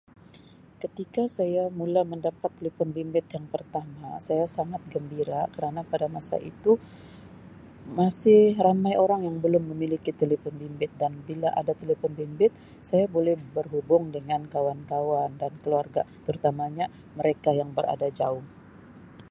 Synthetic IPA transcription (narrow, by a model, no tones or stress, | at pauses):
kət̪ikasajamulaməndapat̪ːlipɔnbimbɪt̪jaŋpərt̪ama̰sajasaŋat̪̚ɡəmbiɾakəɾanapadamasa̰ʔḭt̪u | masɪhhramajʔoɾaŋjaŋbəlʊmːəmilikit̪elipɔnbimbɪt̪̚danbilaʔa̰dat̪elifɔnbimbɪt̪̚ | sajabolɛhbərɦubʊŋdəŋankawankawandankəluarɡa̰t̪əɾut̪amaɲa | məɾekajaŋbəɾa̰dad͡ʒaʊŋ